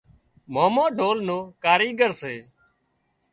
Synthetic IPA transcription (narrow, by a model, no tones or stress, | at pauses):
moːmoːɖʱoːlnoːkaːɾiːɡəɾseː